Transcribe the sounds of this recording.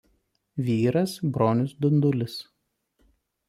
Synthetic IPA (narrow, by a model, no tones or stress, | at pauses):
ʋʲiːɾɐsbɾoːnʲʊsd̪ʊnd̪ʊlʲɪs